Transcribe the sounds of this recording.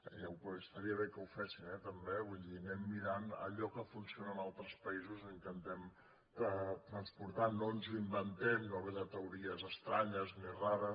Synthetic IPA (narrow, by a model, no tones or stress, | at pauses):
awpəst̪əɾiəβekəwfɛsinɛt̪əmbeuðinɛmːiɾanə̰ʎɔkəfunsionəːnalˠt̪ɾəspəizuzəint̪ənt̪ɛm | t̪ət̪ɾənspuɾt̪anːonzuimbənt̪ɛmnoβɛðət̪əuɾiəzəst̪ɾaɲəzmeraɾə